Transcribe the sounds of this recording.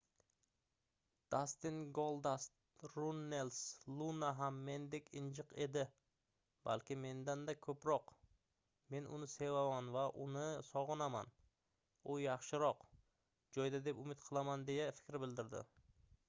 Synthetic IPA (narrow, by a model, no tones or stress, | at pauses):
d̪̥ast̪ɪnɡolˠd̪ast̪ | ɾunːelslˠunaɦamːe̞nd̪e̞kʲɪnd͡ʒɨqʰe̞d̪ɪ | b̥a̰lkʲɪme̞nd̪and̪akʰɵpɾɒq | me̞nʊ̰nɪse̞vamanvaʔʊnɪsɒʁɨnama̰n | ʊjɑχʃɪɾɒq | d͡ʒɒjd̪ad̪epʊmɪt̪qʰɨlˠamand̪e̞jafɪ̥kʲɾɪbɪld̪ɪɾd̪ɪ̰